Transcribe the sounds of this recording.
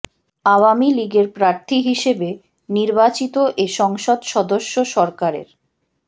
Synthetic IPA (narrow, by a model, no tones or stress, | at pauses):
awamiliɡeɾpɾaɾt̪ʰiɦiʃebe | niɾbat͡ɕit̪oʔeʃɔŋʃod̪ʃɔd̪oʃːoʃɔɾkaɾḛɾ